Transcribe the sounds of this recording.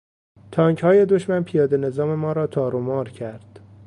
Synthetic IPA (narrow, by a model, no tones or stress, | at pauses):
t̪ʰɒːŋkhɒːje̞d̪oʃmænpʰijɒːd̪e̞ne̞zɒːme̞mɒːɾɒːt̪ʰɒːɾomɒːɾcʰæɾd̪̥